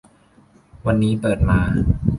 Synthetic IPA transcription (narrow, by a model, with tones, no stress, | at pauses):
wa˧nːiː˦˥pɤː˨˩t̪̚maː˧